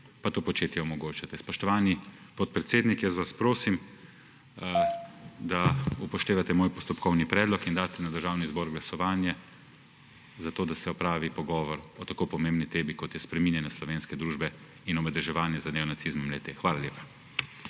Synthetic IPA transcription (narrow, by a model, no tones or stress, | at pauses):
pat̪oːpɔt͡ʃeːt̪jɛɔmɔɡoːt͡ʃat̪ɛspɔʃt̪ɔʋaːnipɔt̪̚pɾɛt̪seːd̪nikjəsʋaspɾoːsim | d̪aupɔʃt̪eːʋat̪ɛmoːjpɔst̪ɔpkʰɔwnipɾɛːd̪lɔkind̪aːt̪ɛnad̪əɾʒaːwnizboːɾɡlasɔʋaːnjɛ | zat̪oːd̪asɛɔpɾaːʋipɔɡɔːʋɔɾɔt̪akoːpɔmembnit̪eːbikɔt̪jɛspɾɛminjɛnɛslɔʋeːnskɛd̪ɾuːʒbɛ | inɔmɛd̪ɾɛʒɛʋaːnjɛzad̪neɔnat̪sizmɔmlɛt̪exʋaːlaljeːpḁ